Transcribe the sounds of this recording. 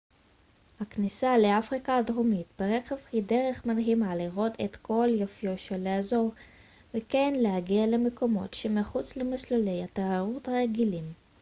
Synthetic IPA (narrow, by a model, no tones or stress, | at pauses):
haknisaleafʁikaːdʁomitb̥eʁeχevhideʁe̞χmanɦimaliʁo̞tetkʰo̞ljofijoʃeleazo̞ʁ | vekenlehaɡiale̞me̞ko̞mo̞̰tʃemeχut͡slemaslole̞jhataaʁuthaʁeɡilim